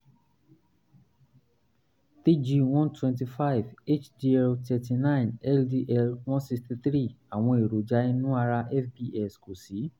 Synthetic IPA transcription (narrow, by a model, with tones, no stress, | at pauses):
ti˦d͡ʒi˧w̃ɔ̃˦ntwɛ̃˧nt̬i˧fa˦i˨ve˦t͡ʃdi˧ɛ˧ltʰɛ˧ti˧nã˦˨ĩ˨nɛ˦ldi˧ʔɛ˧lw̃ɔ̃˦nsi˧sti˧θɾi˦˨a˨w̃ɔ̃˧e˨ɾo˨d͡ʒa˨˦i˦nũ˦a˧ɾa˧ʔɛ˦˨fbi˧ʔɛ˦˨sko˨si˨˦